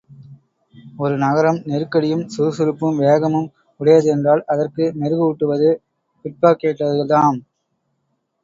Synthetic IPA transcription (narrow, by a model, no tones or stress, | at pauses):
ɔɾɯnɐɣɐɾɐmnɛɾɯkːɐɽɪjɯmsuɾsɯɾɯpːɯmʋeːɣɐmɯm | ʊɽɐjɐðɯɛndraːɭɐðɐrkɯnɛɾɯɣɯʊʈːɯʋɐðɯ | pɪʈ̚paːkeːʈːɐðɯɐt̪aːm